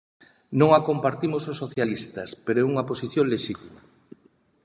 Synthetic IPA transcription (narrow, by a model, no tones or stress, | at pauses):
nõŋakompaɾt̪imososːoθjalist̪ɐspeɾoɛuŋɐposiθjoŋleʃit̪ima